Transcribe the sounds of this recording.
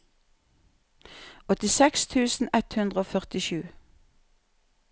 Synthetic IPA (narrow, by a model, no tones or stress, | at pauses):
ɔt̪ɪsɛkst̪ʰʉːsn̩ɛt̪hʉnd̪ʁəoːfœʁt̪ɪʃʉː